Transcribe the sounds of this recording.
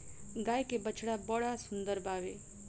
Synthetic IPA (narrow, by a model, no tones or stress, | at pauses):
ɡaːjkebət͡ʃʰɽabɔɽasʊnd̪əɾbaːʋe